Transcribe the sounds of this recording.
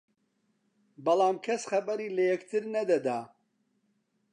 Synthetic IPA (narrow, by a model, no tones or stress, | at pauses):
bɐlaːmkʰɐsχɐbɐɾiːlɐjɛkt̪ʰɨɾnɐd̪ɐd̪aː